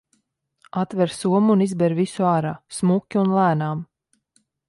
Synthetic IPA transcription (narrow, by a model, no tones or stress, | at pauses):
at̪vɛɾsuɔmuːnizbɛɾvisuaːɾaːsmukʲːiunlˠæːnaːm